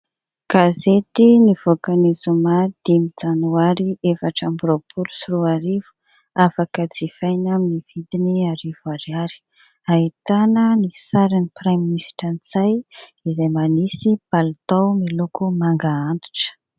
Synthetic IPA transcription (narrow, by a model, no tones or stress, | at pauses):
ɡ̥azet̪iniv̥okanizumad̪̥imid͡zanuaɾiefaʈ͡ʂambuɾopʰulu̥siɾuaɾivu̥ | afakəd͡zifajnaminiv̥id̪iniaɾivaɾiaɾi̥ | ait̪anənisaɾiniprajminisi̥ʈ͡ʂanit͡sajizajmanisibalt̪awmilukumaŋɡaant̪u̥ʈ͡ʂə̥